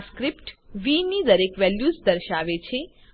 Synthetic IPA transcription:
skɾipʈʋinid̪əɾekʋɛljusd̪əɾʃaʋet͡ʃʰe

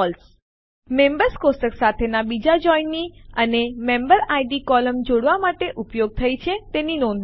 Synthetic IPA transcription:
ɔls | membəɾskosəksat̪ʰenabid͡ʒad͡ʒɔinːiənemẽmbəɾajɖikɔləmd͡ʒoɽʋamaʈeʔupjoɡ̚t̪ʰəit͡ʃʰet̪eninɔn

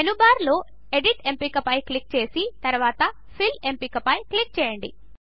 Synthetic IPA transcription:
enubaːɾlo̞ː | eɖiʈe̞mpikɐpɐjklik̚t͡ʃe̞ːsit̪ɐɾʋaːt̪ɐ | pʰilempikɐpɐjklik̚t͡ʃɛːjɐɳɖḭ

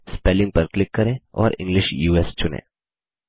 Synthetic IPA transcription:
speːlɪ̃ŋɡ̚pəɾklɪkːɐɾẽɔ̰ːɾɪ̰̃ŋɡlɪʃjuːest͡ʃʊnḛ̃ː

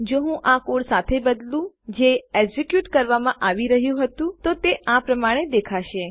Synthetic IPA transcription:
d͡ʒoɦũʔakoɽsat̪ʰebəd̪lũ | d͡ʒeeɡzekjuʈkəɾʋamãʔaʋiɾəɦjũɦət̪ũt̪ot̪eʔapɾəmaɽ̃ed̪ekʰaʃe

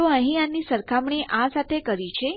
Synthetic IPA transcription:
oəɦĩanisəɾkʰamɳiʔãsat̪ʰekəɾit͡ʃʰe

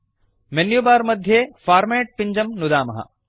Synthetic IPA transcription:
menjubaːɾmɐd̪ʱjefaːɾmeːʈ̚piɲd͡ʑɐmnʊd̪aːmɐɦɐ̰

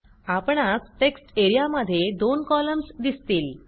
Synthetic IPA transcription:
apɳ̃asʈeksʈeɾijaməd̪ʱːjed̪onkɔləmsd̪ist̪iːl

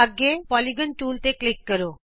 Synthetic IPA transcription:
aɡepɔliɡənʈuːlt̪eklikːəɾo

